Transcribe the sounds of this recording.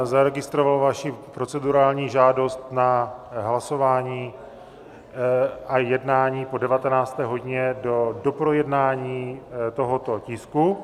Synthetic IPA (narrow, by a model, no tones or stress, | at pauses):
zaɾɛɡɪst̪ɾovalvaʃipɾo̞t͡sɛduɾaːlɲiːʒaːdo̞st̪naɦlaso̞vaːɲiː | ajɛdnaːɲiːpo̞dɛvat̪ɛnaːt͡st̪ɛːɦo̞ɟɪɲɛdodopɾojɛdnaːɲiːt̪o̞ɦot̪o̞cɪsku